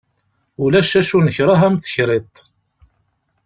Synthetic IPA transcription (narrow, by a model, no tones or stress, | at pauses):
ʊlæʃæʃunəçɾˤaɦæmθə̥çɾit̪ˤ